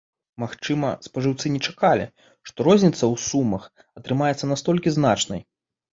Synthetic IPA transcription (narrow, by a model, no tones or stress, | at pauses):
maxt͡ʂɨmɐspɐʐɨwt̪sɨnʲɛt͡ʂakalʲḭ | ʂt̪ɔɾɔzʲnʲit̪sɐwsumɐx | ɐt̪ɾɨmajɛt̪sːɐnast̪ɔlʲkʲiznat͡ʂnɐj